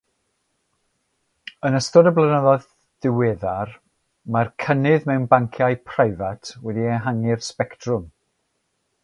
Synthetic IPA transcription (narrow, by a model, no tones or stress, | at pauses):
ənəstɔdəblˠənəðɔð | d̥ɪwɛːðar | markʰənɨðmɛwnbaŋkʰjajpʰrajvatʰwɛdiɛɦaŋɪrspɛktʰrʊm